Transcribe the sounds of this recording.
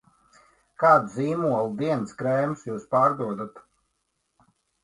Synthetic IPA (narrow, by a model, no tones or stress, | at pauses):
kaːd̪ziːmuɔlˠd̪iɛnskɾɛjmsjuːspaːɾd̪uɔd̪at̪